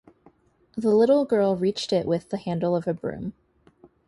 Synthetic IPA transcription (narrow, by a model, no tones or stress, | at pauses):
ðəlɪɾl̩ˠɡɜ˞lˠɹit͡ʃtɪʔwɪðɨhæ̃ndˡl̩ˠʌvɨbɹʉ̰̃m